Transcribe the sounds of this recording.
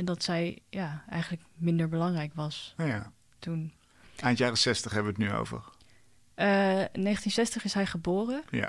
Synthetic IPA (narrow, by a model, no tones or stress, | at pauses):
ɛndɑtsɛjjaːɛ̰jχənləkmɪndəɹbəlɑŋrɛjkʋɑsja | tun | ʔantjaːrəsɛstəχɦɛbəʋəətnyo̰wvə̰ɹ | ənejχəntinsɛstəχɪsɦɛjχəboːrəja̰